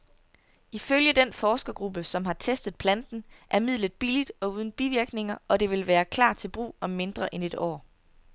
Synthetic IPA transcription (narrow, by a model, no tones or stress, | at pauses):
iføljəd̥enfɒːsɡ̥ɐɡ̥ʁub̥əsɒ̽mɦɑ̈t͡sʰesd̥ð̞̩ˠpʰlænd̥n̩ʔæɐmið̰ˠlð̩ˠb̥ilid̥ɒ̽uð̞ˠn̩b̥iʋiɐɡ̥ne̝ŋɐʔɒ̽d̥e̝ʋe̝lʋæːɐkʰlɑ̰̈ːt͡sʰe̝lb̥ʁṵːɒ̽mːe̝nd̥ʁɐʔene̝d̥ɒ̰ː